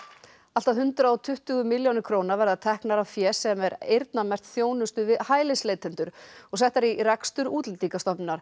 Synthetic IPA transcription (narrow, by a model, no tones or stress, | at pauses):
al̥t̪aðɦʏnt̪ɾaɔt̪ʰʏht̪ʏɣʏmɪljownɪɾkʰɾoːwnavɛɾðaðt̪ʰɛhknaɾavfjɛsɛmɛɾejɾt̪namɛr̥t̪θjoːwnʏst̪ʏvɪðhaːjlɪsleːjt̪ʰɛnt̪ʏɾ̥ɔɣsɛht̪aɾirakst̪ʏɾuːt̪lɪlt̪ikast̪ɔpnnaɾ̥